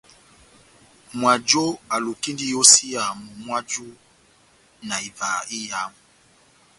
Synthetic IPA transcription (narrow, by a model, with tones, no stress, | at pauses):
mwa˨d͡ʒo˦a˨lu˨ki˦ndi˦jo˦si˦a˨mu˨mwa˦d͡ʒu˦ | na˨i˨va˨i˦ja˨˦mu˨